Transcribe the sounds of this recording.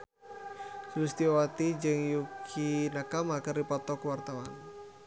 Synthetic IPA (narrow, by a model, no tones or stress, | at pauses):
sulust̪iɔwat̪id͡ʒɨŋjukʰinakamakɨrdipɔt̪ɔkuwart̪awan